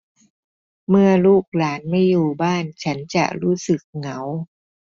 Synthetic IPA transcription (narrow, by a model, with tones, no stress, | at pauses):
mɯ˥˩ɐluː˥˩k̚laː˩˦nma˥˩jːuː˨˩baː˥˩nt͡ɕʰa˦˥nt͡ɕa̰˨˩ɾuː˦˥sɯ˨˩k̚ŋa˩˦w